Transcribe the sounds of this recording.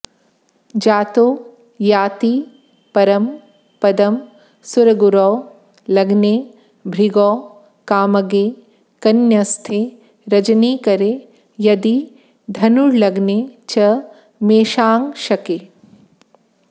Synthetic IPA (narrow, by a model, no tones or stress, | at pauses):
d͡ʒaːt̪oː | jaːt̪i | pɐɾɐm | pɐd̪ɐm | suɾɐɡuɾɔː | lɐɡneː | bʱɾiɡɔː | kaːmɐɡeː | kɐnjɐst̪ʰeː | ɾɐd͡ʒɐniːkɐɾe | jɐd̪i | d̪ʱɐnuɾlɐɡneːt͡ʃɐ | meːʃaːŋʃɐkeː